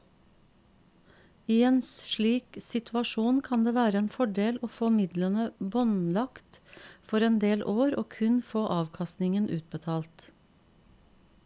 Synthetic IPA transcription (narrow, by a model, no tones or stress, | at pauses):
iːeːnsʃɭiːksɪt̪ʰɑʃuːnkʰɑnd̪eːʋæːɾəeːnfɔɖeːloːfoːmɪd̪lənəbɔnlɑkt̪fɔɾeːnd̪eːlʔoːɾo̰ːkʰʉnfoːʔɑːʋkʰɑst̪nɪŋənʔʉːt̪̚bət̪ʰɑːlt̪